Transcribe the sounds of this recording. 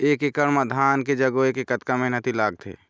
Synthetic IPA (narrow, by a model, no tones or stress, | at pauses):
eːkekəɳmad̪ʱaːnked͡ʒəɡoekekət̪kamẽnət̪ilaːɡ̚t̪ʰḛː